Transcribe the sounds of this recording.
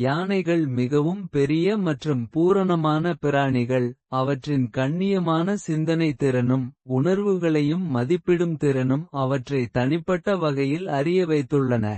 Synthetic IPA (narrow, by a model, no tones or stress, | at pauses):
jaːnɐɪɣɐɭmɪɣɐʋɯmpɛɾɪjɐmɐʈrɯmpuːɾɐɳɐmaːnɐpɪɾaːɳɪɣɐɭɐʋɐʈrɪnkɐɳːɪjɐmaːnɐsɪnd̪ɐnɐɪt̪ːɪɾɐnɯmʊɳɐɾʋɯɣɐɭɐjɯmːɐðɪpːɪɽɯmt̪ɪɾɐnɯmɐʋɐʈrɐɪt̪ɐɳɪpːɐʈːɐʋɐɣɐjɪlɐɾɪjɐʋɐɪt̪ːɯɭːɐnɐ̰